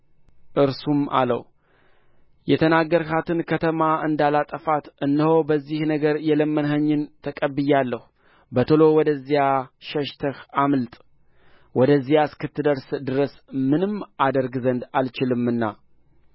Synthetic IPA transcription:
ʔɨɾsuma̰lə̰w | jɛt̪ʰənaɡəɾhat̪ʰɨnkʰət̪ʰəmaɨnd̪alat̪ʼəfat̪ʔɨnːɨho̞bəzːihnəɡəɾjɛləmːənɦəɲːɨnt̪ʰəkʼəbːɨjalːəhu | bət̪ʰolo̞wɔd̪əzːijaʃəʃt̪ʰəhamlt̪ʼ | wɔd̪əzːijaskɨt̪ʰːɨd̪əɾsd̪ɨɾəsmɨnɨmad̪əɾɡzənd̪alt͡ʃɪlɨmɨnːa

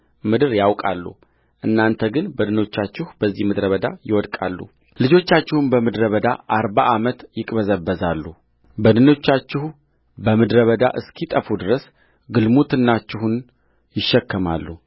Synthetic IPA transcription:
mɨd̪ɨɾjawkʼa̰lːṵ | ʔɨnːant̪ʰəɡɨnbəd̪ɨno̞t͡ʃːat͡ʃːɪhubəzːihmɨd̪ɾəβəd̪a̰jɪwɔd̪kʼa̰lːṵ | lɨd͡ʒo̞t͡ʃːat͡ʃːɪhunbəmɨd̪ɾəβəd̪aʔaɾbaʔamət̪jɪkʼbəzəbːəzalːu | bəd̪ɨno̞t͡ʃːat͡ʃːɪhu | bəmɨd̪ɾəβəd̪a̰ʔɨskʰit̪ʼəfud̪ɨɾəs | ɡɨlmut̪ʰɨnːat͡ʃːɪɦun | jɪʃːɛkːəma̰lːu

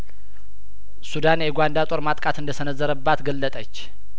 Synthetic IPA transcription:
sud̪anjɛɡʷand̪at̪ʼo̞ɾmat̪ʼkʼat̪ɨnd̪əsənəzːəɾəbːat̪ɡəlːət̪ʼət͡ʃː

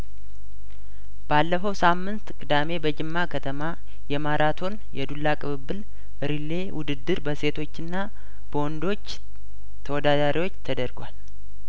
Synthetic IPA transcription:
b̥alːəfəwsamːɨnt̪kʼɨd̪ame̞bəd͡ʒɨmːakʰət̪ʰəma | jɛmaɾʔat̪ʰo̞njɛd̪ulːakʼɨβɨbːɨl | ɨɾilːe̞wʊd̪ɨd̪ːɨɾbəse̞t̪ʰo̞t͡ʃːɨnːa | b̥əwɔnd̪o̞t͡ʃː | t̪ʰəwɔd̪ad̪aɾiwo̞t͡ʃːt̪ʰəd̪əɾɡʷwal

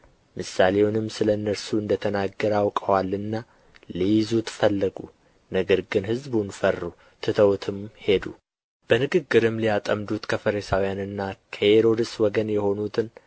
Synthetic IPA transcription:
mɨsːale̞wnɨmːsɨləɨnːəɾsuɨnd̪ət̪ʰənaɡːəɾawkʼəwalːɨnːa | lijɪzut̪ʰɨfəlːəɡṵ | nəɡəɾɡɨnhɨzbunfərːu | t̪ʰɨt̪ʰəwt̪ʰɨmhe̞d̪ṵ | b̥ənɨɡɨɡːɨɾɨmlijat̪ʼəmd̪ut̪kʰəfəɾisawijanɨnːakʰəheɾo̞d̪ɨswɔɡənjɛho̞nut̪ʰɨn

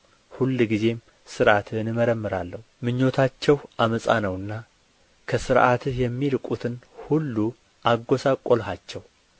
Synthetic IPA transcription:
hulːɡize̞m | sɨɾʔat̪ʰnɨməɾəmːɨɾalːəhumɨɲːo̞t̪ʰat͡ʃːɛwʔaməsʼa̰nəwɨnːa | kʰəsɨɾʔat̪jɛmːiɾɨkʼut̪ʰɨnhulːu | ʔaɡːo̞sakʼolhat͡ʃːɛw

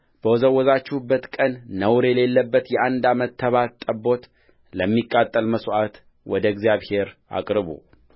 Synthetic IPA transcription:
b̥əwɔzəwːɔzat͡ʃːubːət̪kʼənːəwɾjɛle̞lːəbːət̪jɛand̪amət̪ʰːəβat̪t̪ʼːəbo̞t̪ | ləmːikʼːat̪ʼːəlməsʔat̪ | wɔd̪əɡzjaβhe̞ɾa̰kʼɾɨβṵ

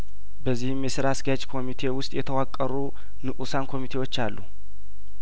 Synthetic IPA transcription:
bəzːihɨmjɛsɨɾasɡat͡ʃʼkʰo̞mit̪ʰe̞wʊst̪ʼjɛt̪ʰəwakʼːəɾu | nɨʔusankʰo̞mit̪ʰe̞wo̞t͡ʃːalːṵ

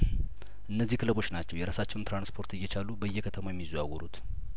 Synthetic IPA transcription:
ʔɨnːəzːihkʰɨləbo̞t͡ʃːnat͡ʃːɛwjɛɾasat͡ʃːɛwunt̪ɾanspʰo̞ɾt̪ɨjːɛt͡ʃalubəjːɛkʰət̪ʰəmojɛmːizawɔɾut̪

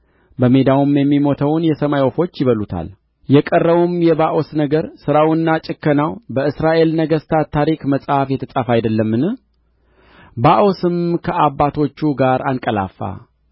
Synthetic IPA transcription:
bəmed̪awumjɛmːimo̞t̪ʰəwnjɛsəmajofo̞t͡ʃːjɪβəlut̪ʰa̰l | jɛkʼərːəβumjɛβaʔo̞snəɡəɾsɨɾawɨnːat͡ʃʼɪkːənawbəɨsɾaʔe̞lnəɡəst̪ʰat̪ʰːaɾikməsʼhafjɛt̪ʰəsʼafajd̪əlːəmːɨnɨ | baʔo̞sɨmkʰəʔabːat̪ʰo̞t͡ʃːuɡaɾankʼəla̰fːa̰

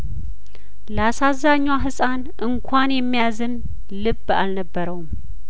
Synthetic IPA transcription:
ləasazːaɲːwaɦɨsʼan | ʔɨŋkʷʰanjɛmːijazɨn | lɨbːa̰lnəbːəɾəwum

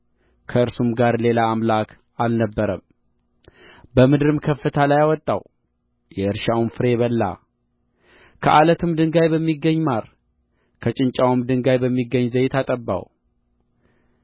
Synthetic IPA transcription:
kʰəɨɾsumɡaɾle̞laːmlakʰ | alnəbːəɾəm | bəmɨd̪ɾɨmkʰəfːət̪ʰalajawɔt̪ʼːa̰w | jɛɨɾʃawunfɨɾe̞βəlːa̰ | kʰəʔalət̪ʰɨmd̪ɨŋɡajbəmːiɡːəɲːmaɾ | kʰət͡ʃʼɪnt͡ʃʼawɨmd̪ɨŋɡajbəmːiɡːəɲːzəjɪt̪ʰat̪ʼəbːa̰w

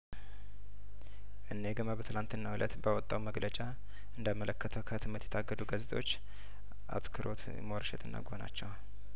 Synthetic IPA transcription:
ʔɨnːejɡəmabət̪ʰɨlant̪ɨnːawulʔət̪bawɔt̪ʼːawməɡlət͡ʃʼa | ɨnd̪amələkːət̪ʰəwkʰət̪ʰɨmːət̪ʰjɛ̥t̪ʰaɡːəd̪uɡəzt̪ʼo̞t͡ʃː | ʔa̰t̪kʰɨɾʔo̰t̪ | moɾəʃɛ̰t̪ʰɨnːa̰ɡona̰t͡ʃːɛw

